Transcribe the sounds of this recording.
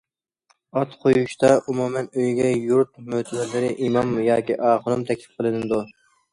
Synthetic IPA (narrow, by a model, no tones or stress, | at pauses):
ɑt̪qʰojuʃt̪ɑʔumumɛnøjɡʲɛjuɾt̪̚møt̪ɪlɛlɪɾɪʔimɑmjɑːkʲiʔɑːχəɾumt̪ʰɛkʲlɪ̥p̚qʰəlˠɨnɨd̪u